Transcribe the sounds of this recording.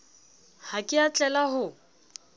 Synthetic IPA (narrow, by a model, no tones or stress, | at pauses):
hakʼɪat͡ɬʼɛlaɦʊ